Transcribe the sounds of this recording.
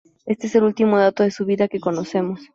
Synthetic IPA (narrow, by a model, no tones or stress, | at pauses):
e̞st̪ees̬e̞lult̪imo̞ð̞at̪o̞ðe̞suβiðake̞ko̞no̞se̞mo̞s